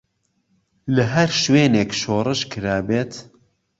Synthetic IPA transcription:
lɐɦɐɾʃweːneːkʃoːrɨʃkʰɨɾaːbeːt̪

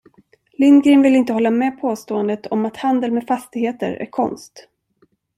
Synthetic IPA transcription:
lɪnɡɾɪnvɪlɪnt̪əɦɔlːamɛpʰoːst̪oːənd̪ət̪ʰɔmat̪hand̪əlmɛfast̪ɪɡheːt̪ə̰ɾæ̰ɾkʰɔ̰nst̪

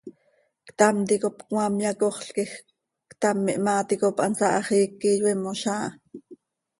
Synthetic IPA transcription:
kt̪ɑmt̪ikopkwɑmjɑkoχɬkix | kt̪ɑmːiʔmaːt̪ikopʔɑnsɑʔɑχiːkːijwimoʃɑː

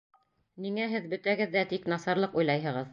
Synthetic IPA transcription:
niŋæɦɘðbɵ̆t̪æɡɘ̆ðːæt̪iknɑsɑɾlˠɤqujlˠɑjɦɤ̆ʁɤð

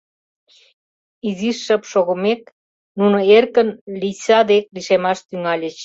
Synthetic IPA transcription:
iziʃːəpʃoɣə̆mek | nunoerkənlisɑd̪ek̚liʃemɑʃt̪yŋɑlʲət͡ɕ

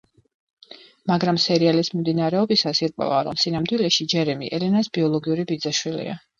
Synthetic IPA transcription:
maɡɾamsɛɾialismimd̪inaɾɛɔbisasiɾqʼwɛ̰vaɾɔ̰msinamd̪wilɛʃid͡ʒɛɾɛmḭʔɛlɛnasb̥iɔlˠɔɡiuɾibid̪zaʃwilḭa̰

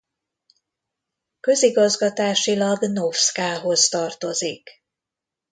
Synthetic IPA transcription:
kø̞ziɡɒzɡɒt̪aːʃilɒɡnofskaːɦo̞zt̪ɒrt̪o̞zik

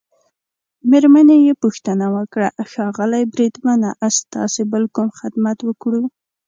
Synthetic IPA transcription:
meɾmanejepuxt̪ənawəkɽaxɑɣəlajbɾid̪banaʔast̪ɑ̰sebəlkomxɪd̪mat̪wəkɽu

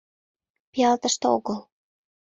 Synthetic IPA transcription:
pijɑlt̪ə̆ʃt̪o̰ɣɤl

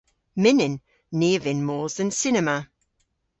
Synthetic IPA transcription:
mɪnɪnː | eːvɪnmoːz̥ə̃nsɪnɛmə

